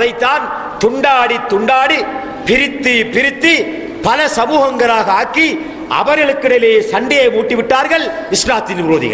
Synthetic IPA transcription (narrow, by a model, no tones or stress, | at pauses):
ðɐɪt̪ːaːn | t̪ʊɳɖaːɽit̪ːʊɳɖaːɽi | pɪɾɪt̪ːipɪɾɪt̪ːi | pɐlɐsɐmuːɣɐŋɡɐɾaːɣɐaːɾkːi | ɐ̰ʋɐɾɣɐɭɯkːɯɽɐleːsɐɳɖɪjɐɪmuːʈːiʋɪʈːaːɾɣɐɭɪsɾaːt̪ːɪnʋɪɾoːðɪ̰ɣɐ̰